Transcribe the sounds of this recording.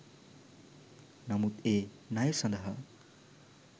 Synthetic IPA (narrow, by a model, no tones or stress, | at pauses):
nʌmut̪e | najesʌ̃nd̪ʌɦʌ